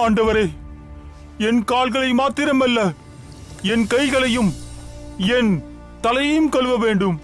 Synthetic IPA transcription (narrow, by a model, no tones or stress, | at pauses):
aːɳɖɐʋɐɾeː | ɛnkaːɭɣɐɭɐɪmaːt̪ɪɾɐmɐlːɐ | ɛnkɐɪɣɐɭɐjɯm | ɛn | t̪ɐlɐjɐjɯmkɔɭʋɐʋeːɳɖɯm